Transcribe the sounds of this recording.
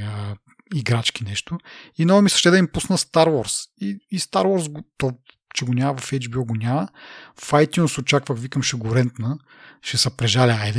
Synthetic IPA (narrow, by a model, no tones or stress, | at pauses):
ə | iɡɾat͡ʃkinɛʃt̪ʊinɔɐmisˠə̥ʃt̪ɛd̪ɐimpusnəst̪aɾwɔɾsiːst̪aɾwɔɾs̬ɡʊt̪ɔ | t͡ʃɛɡʊnʲamɐvɐfɛjd͡ʒbiɔɡʊnʲaməfajt̪junsʊt͡ʃakvəxvikɐmʃuɡʊɾɛnt̪nə | ʃɛsɐpɾɛʒalʲɛajd̪ɛ